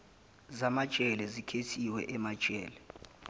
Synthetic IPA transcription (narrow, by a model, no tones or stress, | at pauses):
zamḁt͡ʃʼɛlɛzikʰetʰiwɛ̰ʔɛmad̥t͡ʃʼɛːlɛ